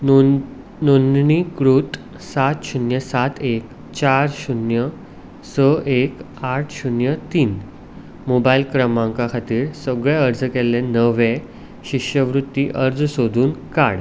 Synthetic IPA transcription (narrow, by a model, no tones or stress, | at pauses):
nonnikɾuːt̪ | sat̪ɕunjəsat̪ek | t͡ɕaɾɕunjə | səʔek | aʈʰɕunjət̪iːn | mobailkɾəmãŋkakʰat̪iːɾsəɡɭɛəɾd͡zəkɛlẽnəʋẽ | ɕikɕəʋɾut̪ːiʔəɾd͡zsod̪ʱuːnka̰ɽ